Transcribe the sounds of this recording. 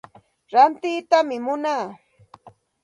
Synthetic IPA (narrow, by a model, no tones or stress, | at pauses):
ɾant̪ɪːt̪amɪmʊnaː